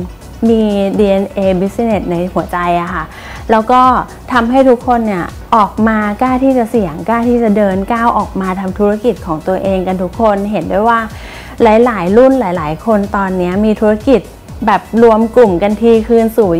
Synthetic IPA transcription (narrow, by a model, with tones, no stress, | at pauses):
miː˧diː˧ʔe˧nʔeː˧bi˦˥si˧ne˨˩t̪̚na˧jhu˨˩˦ɐt͡ɕa˧jʔa˨˩kʰa˥˩ | lɛː˦˥wkɔː˥˩ | t̪ʰa˧mɦa˥˩jt̪ʰu˦˥kʰːo˧nːi˥˩ɐ | ʔɔː˨˩k̚maː˧kaː˥˩wt̪ʰiː˥˩t͡ɕa˨˩si˨˩˦əŋkaː˥˩wt̪ʰiː˥˩t͡ɕa˨˩dɤː˧nkaː˥˩wʔɔː˨˩k̚maː˧t̪ʰa˧mt̪ʰu˦˥a˥˩ki˨˩t̪̚kʰɔː˩˦ŋt̪u˧ɐʔeː˧ŋka˧nt̪ʰu˦˥kʰːo˧nɦe˩˦ndu˥˩jwaː˥˩ | laː˩˦jlaː˩˦jɾu˥˩nlaː˩˦jlaː˩˦jkʰo˧nt̪ɔː˧nːi˦˥ɐmiː˧t̪ʰuː˦˥ɾa˥˩ki˨˩t̪̚ | bɛː˨˩p̚ɾu˧əmku˨˩mka˧nt̪ʰiː˧kʰɯː˧nsuː˨˩